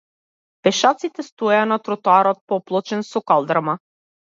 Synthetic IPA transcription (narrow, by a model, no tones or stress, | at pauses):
pɛʃat̪sit̪ɛst̪ɔɛanat̪ɾɔt̪oaɾɔt̪̚pɔplˠɔt͡ʃɛnsɔkalˠd̪ɾama